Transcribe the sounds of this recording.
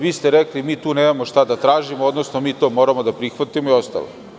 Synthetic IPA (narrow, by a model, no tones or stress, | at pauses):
ʋiːst̪eɾeklimiːt̪uːneːmamo̞ʃt̪ad̪at̪ɾaːʒimood̪nosnomiːt̪o̞ːmoɾamo̞d̪apɾixʋat̪imoio̞st̪a̰lo̰